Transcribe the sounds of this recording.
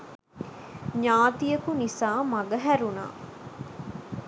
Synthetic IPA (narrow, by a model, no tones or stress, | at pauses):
ɲaːt̪ijəkunisaːmaɡəɦæɾuna̰ː